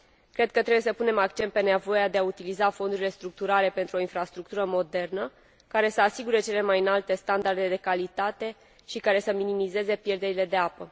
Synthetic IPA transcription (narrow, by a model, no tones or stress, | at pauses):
kɾe̞d̪̚kət̪ɾe̞bujesəpune̞makt͡ʃe̞nt̪̚pe̞nevo̞jad̪e̞aut̪ilizafo̞nd̪uɾile̞st̪ɾuk̚t̪uɾale̞pe̞nt̪ɾuo̞infɾast̪ɾukt̪uɾəmo̞d̪e̞rnə | kaɾe̞səasiɡuɾe̞t͡ʃe̞le̞majɨnalt̪e̞st̪and̪ard̪e̞d̪e̞kalit̪at̪e̞ | ʃikaɾe̞səminimize̞ze̞pje̞rd̪e̞ɾile̞d̪e̞apə